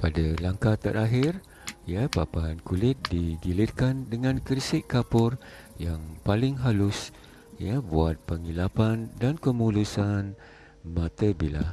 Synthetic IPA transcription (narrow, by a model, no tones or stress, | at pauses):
padalaŋkat̪aʔaɦɪr | japapankulɪt̪̚diɡilɪt̪̚kandəŋãnkərsɪʔkapʊr | jaŋpalɪŋɦalʊs | ijabuat̪̚pəŋilapandankəmulusan | mãt̪əbila̰